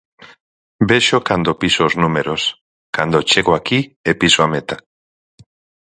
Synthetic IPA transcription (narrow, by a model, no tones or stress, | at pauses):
beʃokand̪opisooznumeɾos | kand̪ot͡ʃeɣoakiepisoamet̪ḁ